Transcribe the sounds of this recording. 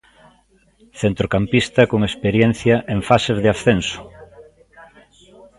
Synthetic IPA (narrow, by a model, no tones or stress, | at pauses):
θent̪ɾokampist̪ɐkoŋespeɾjen̟θjɐʔeŋfasezðɪasθensʊ̥